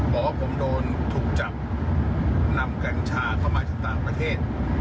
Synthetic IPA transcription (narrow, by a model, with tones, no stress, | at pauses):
bʰɔː˦wpʰo˨˦mdoː˧nt̪ʰuː˨˩k̚t͡ɕa˨˩p̚ | na˧mka˧nt͡ɕʰaː˧kʰa˥˩wmaː˧t͡ɕaː˨˩k̚t̪aː˨˩ŋpɾa˧t̪ʰeː˥˩t̪̚